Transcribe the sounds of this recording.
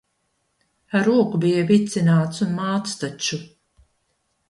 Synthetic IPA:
aɾuɔkubijavit̪sinaːt̪sunmaːt̪st̪at͡ʃu

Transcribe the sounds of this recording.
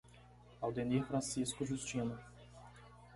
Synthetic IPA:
awd̪eniɾfɾɐ̃siskʊʒust͡ʃĩnʊ

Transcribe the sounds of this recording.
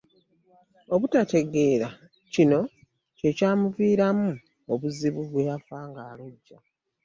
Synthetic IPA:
o̞βutate̞ɡe̞ːɾa | cino̞ | ce̞caːmuviːɾamu | oβuziβuβwejafaːŋɡaːloɟːa

